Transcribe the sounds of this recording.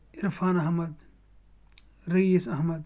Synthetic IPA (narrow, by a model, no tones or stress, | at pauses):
iɾfaːnɐɦmɐd̪ | ɾijisɐɦmɐd̪